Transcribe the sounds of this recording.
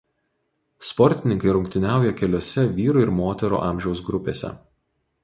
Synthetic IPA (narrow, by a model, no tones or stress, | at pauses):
spɔɾʲt̪ʲɪnʲɪŋkɐɪɾʊŋʲkt̪ʲɪnʲæˑʊjɛkʲɛlʲoːsʲɛʋʲiːɾuˑɪɾmoːt̪ʲɛɾṵːʔɑːˑmʲʒʲɛʊs̬ɡɾʊpʲḛːsʲɛ̰